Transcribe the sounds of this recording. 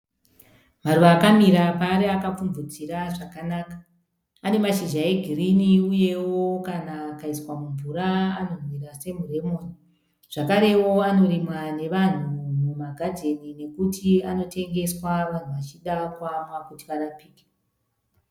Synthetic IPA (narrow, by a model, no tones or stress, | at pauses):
maruʋaːkamiɾapaːɾeakap͡fumvud͡ziɾaʐakanaːkḁː | ne̞maʃiʒaeɡʱiriniuje̞wo̞kanaːkaiswamuɱvuɾaano̞rwiɾase̞mure̞moni | ʐ̥akaɾe̞wo̞ano̞ɾimwane̞ʋan̤umumaɡʱadʱe̞nine̞kutʰiano̞te̞ŋɡe̞swaʋan̤uʋat͡ʃiɗakwamwakutiʋarapiːke̥